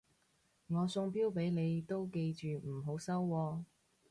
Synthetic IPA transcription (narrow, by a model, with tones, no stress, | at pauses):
ŋɔː˨˧sʊ˧ŋpiː˥wpe˨˥jne˨˧jt̪o˥wke˧jt͡ʃyː˨m̩˨˩ɦo˨˥wsɐ˥wːɔː˧